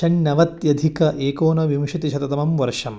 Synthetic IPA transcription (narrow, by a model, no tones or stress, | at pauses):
ɐɳnɐʋɐt̪jɐd̪ʱikɐʔeːkoːnɐʋimʂɐt̪iʃɐt̪ɐt̪ɐmɐmʋɐɾʂɐm